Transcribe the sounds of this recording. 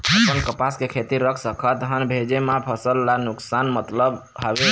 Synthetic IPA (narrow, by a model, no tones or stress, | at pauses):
əpənkəpaskekʰet̪iɾəkʰsəkʰət̪ɦənbʱed͡ʒemãpʰəsəlːanuksanmət̪ləbɦabe